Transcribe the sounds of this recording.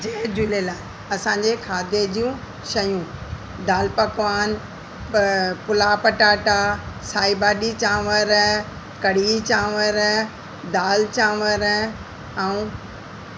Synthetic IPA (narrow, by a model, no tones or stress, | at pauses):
d͡ʑeɦd͡ʑʊlelaːɪ | ɐsãɲd͡ʑekʰaːd̪ʱed͡ʑijũ | ʃɐjũ | d̪aːlpɐkʋaːn | pʊlapɐʈaːʈasaːibaːɗit͡ɕãːʋəɾ | kɐɽ̤it͡ɕãːʋəɾ | d̪aːlt͡ɕãːʋəɾ | ɛ̃ũ